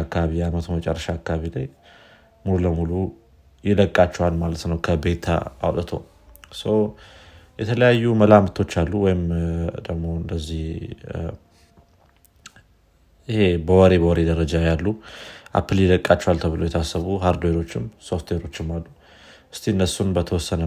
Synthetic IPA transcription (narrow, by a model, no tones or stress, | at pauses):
kːaβijamət̪ʰonmət͡ʃʼɛrːəʃaːkːaaβilaj | mululəmulu | jɪləkʼːat͡ʃːɛwalmalət̪nəwkʰəbe̞t̪ʰa̰a̰wt̪ʼət̪ʰo | səw | jɛt̪ʰələjajːuməlamt̪ʰo̞t͡ʃːalːuwɔjɪmd̪əɡmo̞ɨnd̪əzːih | ɪhe̞bəwɔɾe̞bəwɔɾe̞d̪əɾəd͡ʒajalːuʔa̰pʰːɨljɪləkʼːat͡ʃːɛwalt̪ʰəβɨlojɛt̪ʰasːəβuhaɾd̪oweɾo̞t͡ʃːɪmso̞ft̪ʰweɾo̞t͡ʃːɪmːalːu | ʔɨst̪ʰiɨnːəsunbət̪ʰəwɔsːənə